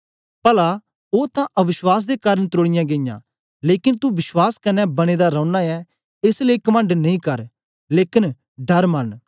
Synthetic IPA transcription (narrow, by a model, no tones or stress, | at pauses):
pɐla | oːt̪ãʔɐʋɪswaːs̬d̪ekaːɾə̃nt̪oːɽ̃ɪjãɡeɪjã̰ː | leːkɪnt̪ubɪswaːskɐnːɛbɐɽ̃eːd̪aɾɐ̃ʊnaɛ | ɪsleːkɐmə̃ɳɖnɐĩkɐɾ | leːkɪn | ɖɐɾmɐn